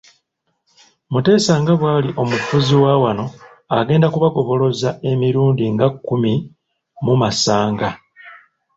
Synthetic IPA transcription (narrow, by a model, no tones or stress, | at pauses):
mute̞ːsaŋɡaβwaːliʔo̞mufuziwawano̞ | aɡe̞ːndakuβaɡo̞βo̞lo̞zae̞miɾuːndiŋɡakːumi | mumasaːŋɡa